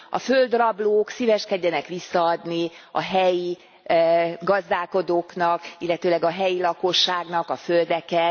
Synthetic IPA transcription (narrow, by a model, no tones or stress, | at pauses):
ɒ̰fø̞ld̪rɒbloːksivɛʃkɛɟːɛnɛkʋisːɒɒd̪niɒ̰ɦɛji | ɡɒzd̪aːlko̞d̪oːknɒkilːɛt̪øːlɛɡɒɦɛjilɒko̞ʃːaːɡnɒkɒfø̞ld̪ɛkɛ